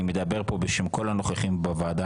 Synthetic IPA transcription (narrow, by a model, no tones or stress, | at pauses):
imed̪abe̞ʁpo̞beʃemko̞lano̞χeχimbavaːd̪a